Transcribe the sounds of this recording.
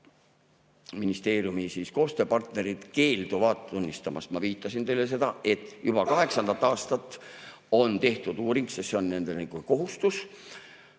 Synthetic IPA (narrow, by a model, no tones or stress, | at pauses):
minist̪e̞ːrjumisiːsko̞ːst̪ø̞ːpɑrt̪ne̞ɾid̪̥ke̞ːld̪uvɑd̪̥unʲːist̪ɑmɑ̰st̪mɑviːt̪ːˑɑsint̪e̞jlːe̞s̬e̞d̪̥ɑe̞t̪ːˑjub̥ɑkɑɦe̞ksɑnd̪ɑt̪ːˑɑːst̪ɑt̪ːˑ | o̞nt̪e̞ht̪ud̪̥uːɾiŋksesːeo̞nːe̞nd̪elɡ̥uko̞ɦust̪us